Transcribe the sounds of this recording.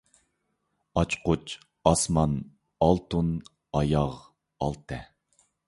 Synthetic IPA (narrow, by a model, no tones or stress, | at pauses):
ɑt͡ʃqʊt͡ʃʰ | ɑsmɑn | ɑlˠt̪un | ɑjɑʁ | ɑlˠt̪ʰɛ